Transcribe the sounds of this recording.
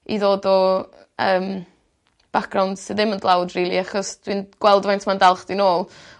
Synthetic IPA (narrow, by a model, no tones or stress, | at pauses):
ḭðoːdɔ | əːm | b̥akʰrawnd̥sɪðɪməndlˠawdriːlˠiaχɔsd̥winɡ̥wɛlˠdvajntʰmandalˠχd̥inoːlˠ